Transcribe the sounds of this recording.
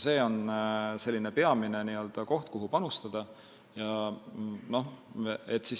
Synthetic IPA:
se̞ːo̞nse̞lːine̞pe̞ɑmine̞niːø̞ld̪̥ɑko̞ht̪̚kuɦupɑnust̪ɑd̪̥ɑ | jɑ | no̞het̪ːˑsis

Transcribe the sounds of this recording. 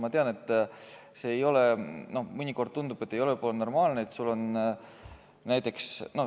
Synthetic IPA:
mɑt̪eɑne̞t̪ːˑ | se̞ːjo̞leno̞hmɯnʲiko̞rd̪̥̚t̪und̪ub̥e̞t̪ːˑejo̞lepoleno̞rmɑːlneet̪sulːo̞n | næjt̪ːˑe̞ksno

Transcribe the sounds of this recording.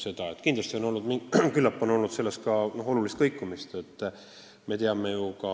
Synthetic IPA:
se̞d̪̥ɑet̪ːˑkind̪lɑst̪io̞no̞lnud̪mikylːɑpːˑo̞no̞lnud̪se̞lːe̞st̪̚kɑno̞ɦo̞lulist̪kɤ̞jkːˑumist̪e̞t̪ˑː | me̞t̪e̞ɑme̞jukɑ

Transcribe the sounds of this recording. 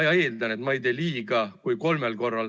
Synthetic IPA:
jɑe̞ːld̪ɑne̞t̪mɑejd̪e̞ːliːɡɑkujko̞lmelko̞rːɑl

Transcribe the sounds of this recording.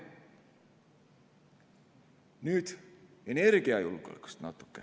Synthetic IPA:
nyt̪enerkiæjulko̰lko̥st̪nɑt̪ːo̥kːæ̰

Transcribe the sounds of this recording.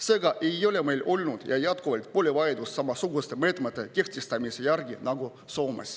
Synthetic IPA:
se̞ːɡɑʔe̞jo̞lʲe̞me̞jlʔo̞lnud̪̥jɑjɑt̪kuvɑlt̪̚polʲevɑjed̪ussɑmɑsuɡust̪e̞me̞ːt̪met̪ˑːe̞ke̞ht̪est̪ɑmisejærɡinɑɡu | so̞ːmḛs

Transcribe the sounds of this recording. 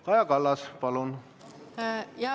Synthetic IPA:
ɑjɑkɑlːɑspɑlun | jɑ

